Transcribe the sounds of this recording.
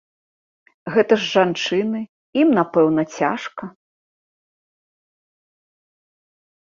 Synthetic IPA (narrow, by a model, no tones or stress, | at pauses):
ɣɛt̪ɐʐːant͡ʂɨnɨ | imnapɛwnɐt͡sʲa̰ʂkɐ